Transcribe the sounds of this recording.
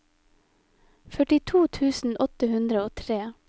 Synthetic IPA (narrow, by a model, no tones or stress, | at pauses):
fœʈɪt̪ʰuːt̪ʰʉːsn̩ʔɔt̪əhʉnd̪ɾəoːt̪ʰɾeː